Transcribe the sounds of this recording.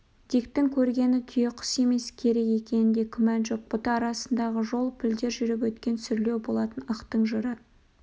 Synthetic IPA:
d̪̥ikt̪ɪŋkʲʰɵɾɡʲe̞nɪt̪ʰʏjeqʰə̥se̞me̞skʲʰe̞ɾe̞kje̞kʲe̞nɪnd̪e̞kʲʰʏmænʒo̞q̚b̥ʊt̪əɑɾɑsənd̪ɑʁəʒo̞lˠpʰɪld̪e̞ɾʒʏɾɪp̬wɵt̪kʲe̞nsʏɾle̞wbo̞lˠɑt̪ənɑqt̪əɴʒəɾə

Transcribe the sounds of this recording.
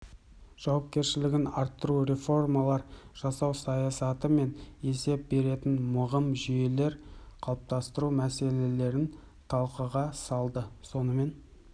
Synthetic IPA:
ʒ̥ɑwɑp̚kʲe̞ɾʃɪlɪɡʲɪnɑɾt̪ːəɾuɾe̞fo̞rmalˠɑɾ | ʒ̥ɑsɑwsɑjɑsɑt̪əme̞ne̞se̞p̚be̞ɾe̞t̪ɪnmʊʁəmʒʏje̞le̞ɾqʰɑlˠəp̚t̪ɑst̪əɾumæse̞le̞le̞ɾɪn | t̪ʰɑlˠqəʁɑsɑlˠd̪əso̞nəme̞n

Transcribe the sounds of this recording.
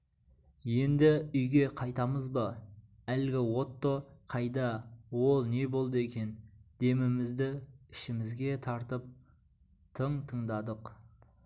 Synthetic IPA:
je̞nd̪ɪʏjɡʲe̞qʰɑjt̪ɑməzbɑ | ælɡʲɪwo̞t̪ːoqʰɑjd̪ɑwo̞lˠne̞bo̞lˠd̪əe̞kʲe̞nd̪̥e̞mɪmɪzd̪ɪɪʃɪmɪzɡʲe̞t̪ʰɑɾt̪əp̚ | t̪ʰəɴt̪ʰəɴd̪ɑd̪əq

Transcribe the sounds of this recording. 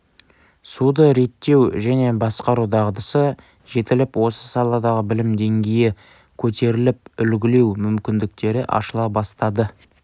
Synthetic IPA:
sud̪əɾe̞t̪ːe̞wʒæne̞bɑsqɑɾud̪ɑʁd̪əsə | ʒe̞t̪ɪlɪpwo̞səsɑlˠɑd̪ɑʁəbɪlɪmd̪e̞ŋɡʲejɪ | kʲʰɵt̪ʰe̞ɾɪlɪp̚ʏlɡʲɪle̞wmʏmkʲɪnd̪ɪk̚t̪e̞ɾɪʔɑ̰ʃəlˠɑbɑst̪ɑd̪ə

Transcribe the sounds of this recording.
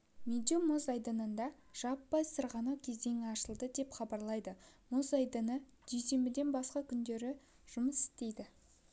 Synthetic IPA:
mʲed̪omozɑjd̪ənənd̪ɑ | ʒ̥ɑpːɑjsəɾʁɑnɑwkʲʰe̞zd̪e̞ŋɑʃəlˠd̪əd̪e̞pχɑbɑɾlˠɑjd̪əmozɑjd̪ənə | d̪̥ejse̞mbɪd̪e̞nbɑsqɑkʲʰʏnd̪e̞ɾɪ | ʒ̥ʊməsɪ̥st̪e̞jd̪ɪ

